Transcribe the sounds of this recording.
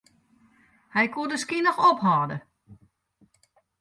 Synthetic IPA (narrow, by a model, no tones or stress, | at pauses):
hɛjkuədəskinɔxɔpɦɔːdə